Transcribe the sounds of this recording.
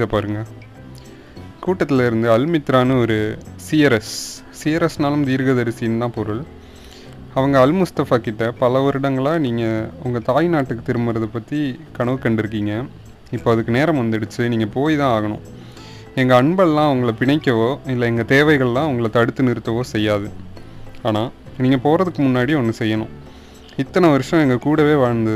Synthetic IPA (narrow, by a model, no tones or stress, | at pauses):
ɪðɐpaːɾɯŋɡɐ | kuːʈːɐt̪ːɪlɐɪɾɯnd̪ɯɐlmɪt̪ːɾaːnɯɔɾɯsiɐɾɛsː | ijɐɾɛsnaːlɯmt̪iːɾɣɐðɐɾɪsɪjɯnd̪ãːpɔɾɯɭ | ɐʋɐŋɡɐːlmʊst̪ɐfaːkɪʈːɐpɐlɐʋɔɾɪɽɐŋɡɐɭãːniːŋɡɐʊŋɡɐt̪aːjnaːʈːɯkːɯt̪ɪɾɯmɐɾɐðɯpːɐt̪ːikɐɳɐʋɯkːɐɳɖɪɾɯk̬ːiːŋɡɐ | ɪpːoːɐðɯkːɯneːɾɐmʋɐnd̪ɛɽɯt͡ʃːɯniːŋɡɐpoːjt̪ãːaːɣɐnʊ̰̃ | ɛŋɡɐːɳbɐɭlãːɐʋɐŋɡɐɭɐpɪɳɐɪkːɐʋoːɪlːɐɛŋɡɐt̪eːʋɐɪɣɐɭlãːɐʋɐŋɡɐɭɐt̪ɐɽɯt̪ːɯnɪɾɯt̪ːɐʋoːsɛjːaːðɯ | aːnaːniːŋɡɐpoːɾɐðɯkːɯmʊnːaːɽiɔnːɯsɛjːɐnʊ̰̃ | ɪt̪ːɐnɐʋɐɾʂɐ̃ɛŋɡɐkuːɽɐʋeːʋaːɻɐnd̪ɐð